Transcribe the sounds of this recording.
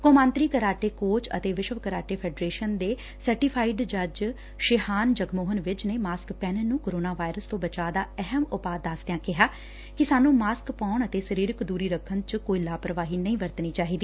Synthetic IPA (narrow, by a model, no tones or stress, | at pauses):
koːmãːnt̪ɾiːkəɾaːʈeːkoːt͡ʃə̰t̪eːʋɪʃʋkəɾaːʈeːpʰɛːɖɾeːʃənd̪eː | səɾʈɪːpʰaːɪɖd͡ʒəd͡ʒ | ʃɪhaːnd͡ʒəɡmoːɦənʋɪt͡ʃneːmaːskpɛːnənũːkoːɾoːnaːʋaːɪɾəst̪õːbət͡ʃaːd̪aːɛɦəmʊpaːd̪ːasd̪ejãːkɪɦaː | kɪsaːnũːmaːskpaːɳət̪eːsəɾiːɾkd̪uːɾiːɾəkʰːənt͡ʃkoːilaːpɾəʋaːɦiːnəĩːʋəɾt̪niːt͡ʃaːɦiːd̪iː